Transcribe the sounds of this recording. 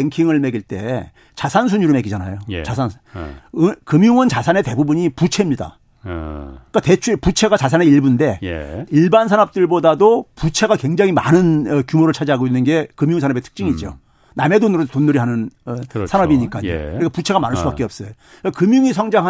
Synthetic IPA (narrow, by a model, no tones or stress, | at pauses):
eŋkʰiŋɯɭme̞ɡiɭt͈e̞̰ | t͡ɕasʰans̬ʰuɲuɾɯme̞ɡid͡ʑanajo̰t͡ɕas̬ʰan | kɯmjuŋɯnt͡ɕasʰane̞te̞bubuɲiput͡ɕʰe̞mɲida̰ | ik͈ate̞t͡ɕʰuput͡ɕʰe̞ɡat͡ɕasʰaneiɭbunde̞jiɭbansʰanʌp̚t͈ɯɭbodadoput͡ɕʰe̞ɡakweŋd͡ʑaŋɦima̰nɯnʌkjumoɾɯɭt͡ɕʰad͡ʑaɦaɡoinːɯnɡe̞kɯmjuŋsʰanabe̞tʰɯ̥k̚t͡ɕ͈iŋid͡ʑo̰ | name̞donuɾotonːuɾiɦanɯnsʰanʌbiɲik͈aɲekɯɾik͈ʰaput͡ɕʰe̞ɡamanɯɭs͈ubak͈eʌp̚s͈ʌjo | kakɯmjuŋisʰʌŋd͡ʑaŋɦa